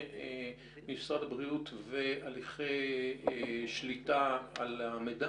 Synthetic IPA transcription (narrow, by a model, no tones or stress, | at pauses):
misʁadabʁiutvealiχejeʃlitaalameda